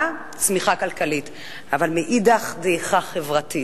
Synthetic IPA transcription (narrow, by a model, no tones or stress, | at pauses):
t͡smiχakalkalit | avalmeʔid̪aχdeχaχevʁati